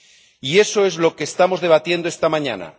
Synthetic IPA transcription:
ie̞so̞e̞zlo̞ke̞ːst̪amo̞zðe̞β̞at̪je̞nd̪oest̪amãɲa̰na̰

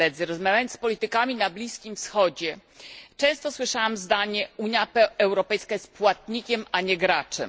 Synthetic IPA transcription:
ɛd̪zɘɾɔzmavʲjajɔnspɔlʲit̪ɘkamʲinablʲiskʲimfsxɔd͡ʑɛt͡ʂɛ̃w̃st̪ɔswɘʂawamzd̪aɲɛuɲjapɛɛwɾɔpɛjskajɛst̪̚pwat̪̚ɲikʲɛmaɲɛɡɾat͡ʂɛ̰

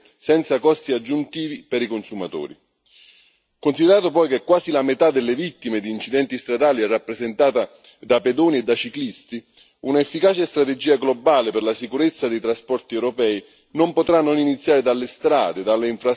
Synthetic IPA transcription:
sɛnt̪sakɔst̪iad͡ʒːunt̪iːvipeɾikonsumat̪o̰ːɾḭ | konsid̪eɾaːt̪opɔjkekːwaːzilamet̪ad̪ːelːevit̪ːimed̪iːnt͡ʃid̪ɛnt̪ist̪ɾad̪aːliɛrːapːɾezent̪aːt̪a | d̪aped̪ɔːnied̪ːat͡ʃiklist̪i | unaefːikaːt͡ʃest̪ɾat̪ed͡ʒiːaɡlɔbaːleperlasikuɾet̪sːad̪ejt̪ɾaspɔrt̪iewɾɔpɛːi | nompot̪ɾanːoninit̪sːjaːɾed̪alːest̪ɾa̰ːd̪ed̪alːeiɱfɾa

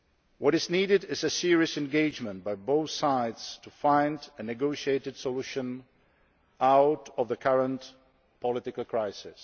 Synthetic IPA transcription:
wʌɾɪzniːɾɪdɪzɨsɪɹiɨsɛ̃nɡeɪd͡ʒmə̃nt̚baɪboʊθsaɪdstʰufãɪ̃ndɨnɨɡoʊʃieɪtɨd̥sɔluʃə̃n | aʊtɔvðəkʰʌɹə̃nt | pʰɔlɪtɪkəlˠkʰɹ̥aɪsɪs

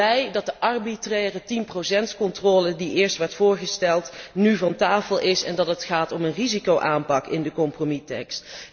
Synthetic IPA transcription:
ɛjdɑt̚dəʔɑrbitrɛːrətinprosɛntkɔntrɔːlədiʔɪːɹstʋɛɹtfʊːɹχəstɛlˠtnyvɑntaːfəlˠʔɪsɛ̰ndɑtətχaːtɔmənrizikowʔaːmpɑkɪndəkɔmpromitɛ̰kst

